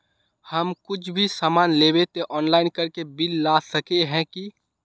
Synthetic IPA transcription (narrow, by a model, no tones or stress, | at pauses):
hɐmkʊt͡ʃʰbʱisaːmaːnleːbet̪eʔɔːnlaːɪnkɐɾkebɪlːaːsəkeɦɛ̃ki